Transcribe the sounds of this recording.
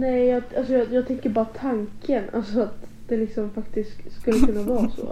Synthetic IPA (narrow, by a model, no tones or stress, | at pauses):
nɛjjɑalsɔjɑjɑːɡ̚t̪ʰɛŋkəɾbɑːɾat̪ʰaŋkʰənʔa̰lsɔat̪d̪̥ɛlɪksɔmfakt̪ɪskskɵlːəkʰɵnːavɑːso̰ː